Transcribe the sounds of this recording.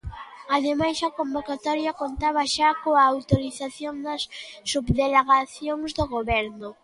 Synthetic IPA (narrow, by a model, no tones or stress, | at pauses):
aðemajsɐkombokat̪ɔɾjɐkont̪aβɐʃakoaːwt̪oɾiθaθjoŋd̪ɐsːubðeleɣaθjoŋzd̪oɣoβɛɾnʊ